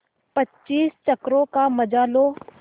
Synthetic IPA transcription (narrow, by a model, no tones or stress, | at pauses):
pɐtːt͡ʃːʃiːst͡ʃɐkɾõkamɐd͡ʒaːloː